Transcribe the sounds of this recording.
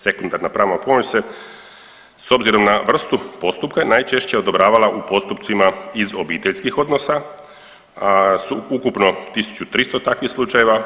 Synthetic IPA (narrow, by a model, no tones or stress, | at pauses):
se̞kund̪aɾnapɾaːʋnapo̞mot͡ɕse | so̞bziɾo̞mnaʋr̩st̪upo̞st̪upkanajt͡ʃe̞ʃt͡ɕeo̞d̪o̞bɾaːʋalaʔupo̞st̪up̪simaizo̞biːt̪eʎskixo̞d̪no̞sa | suukupno̞t̪isu̥t͡ɕut̪ɾist̪ot̪akʋixslˠut͡ʃaje̞ʋa